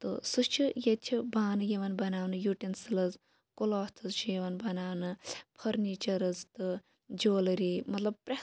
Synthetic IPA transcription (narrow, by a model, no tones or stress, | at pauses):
t̪ɨ̰sust͡ʃʰijet͡ʃʰibaːnɨjeʋɐnbɐnaːʋnɨjuːʈensilɐz | koloːst̪ʰɨzt͡ʃʰijeʋɐnbɐnaːʋnɨpʰɐɾniːt͡ʃɐɾɐzt̪ɨ | d͡ʒoːlɾimɐt̪lɐb̚pɾe